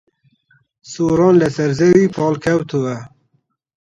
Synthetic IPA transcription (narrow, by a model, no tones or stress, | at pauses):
suːɾɑːnlɐsɐɾzewiːpɑːlkʰɐwt̪ʰuwɐ